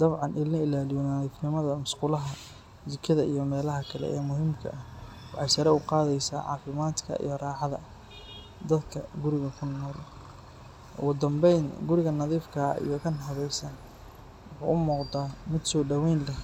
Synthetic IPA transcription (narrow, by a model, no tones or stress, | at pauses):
d̪ɐβʕɑnʔɪlnɐɪlaːlɪjɔnɐiːfnɪmɐðɐmʊsqʊlɐɦɐ | zɪkʰɐðɐʔijɞmɛːlɐɦɐkʰɐlɛ̰ʔɛːmʊɦɪmkʰɐ̰ʔɐh | wɑħɑjsɐɾɛʊqɑːðɛjsa̰ːʕɑ̰ːfɪmaːd̪kʰɐ̰ʔḭjɞrɑːʕɑðɐ | d̪ɐd̪kʰɐɡʊɾɪɣɐkʰʊnɔːl | ʔɔ̰ɣʊd̪ɐmbɛjnɡʊɾɪɣɐnɐðiːfkʰɐḭjɔkʰɐnɦɐβɛjsaːn | wʊħṵːʔʊmɔːqd̪aːmɪd̪sɔːɖɐwɛjnlɛ